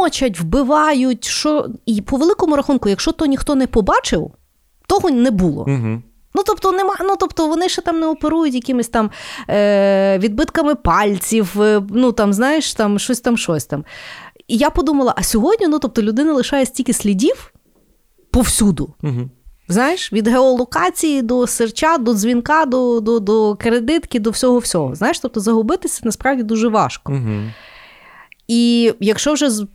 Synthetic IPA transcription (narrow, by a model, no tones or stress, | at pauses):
ɔt͡ʃɐtʲwbɪʋɑjʊtʲʃɔipɔʋelˠɪkɔmʊɾɐxunkʊjɐkʃt͡ʃɔt̪ɔjnʲixt̪ɔnɛpɔbɑt͡ʃɪw | t̪ɔɦɔnɛbulˠɔ̰ɦ | nut̪ɔpt̪ɔnɛmɑnut̪ɔpt̪ɔʋɔnɪʃɛt̪ɑmnɛɔpeɾujʊtʲjɐkʲɪmɪsʲt̪ɑm | ʋʲid̪̚bɪt̪kɐmɪpɑlʲt͡sʲiwnut̪ɑmznɑjɪʃt̪ɑmʃɔsʲt̪ɑmʃɔsʲt̪ɑmijapɔd̪umɐlˠɐʔɐsʲɔɦɔdʲnʲinut̪ɔp̚t̪ɔlʲʊd̪ɪnɐlˠɪʃɑjɛsʲtʲilʲkʲɪsʲlʲidʲiw | pɔwsʲud̪ʊ | znajɪʃʋʲid̪ɦeɔlˠɔkɑt͡sʲijid̪ɔsert͡ʃad̪ɔzʲʋʲinkɑd̪ɔd̪ɔd̪ɔkɾed̪ɪt̪kʲɪd̪ɔwsʲɔɦɔwsʲɔɦɔ̰znajɪeʃt̪ɔp̚t̪ɔzɐɦʊbɪt̪ɪsʲɐnɐspɾɑwdʲid̪uʒɛʋɑ̰ʃkɔɦ | ijɐkʃt͡ʃɔwʒɛ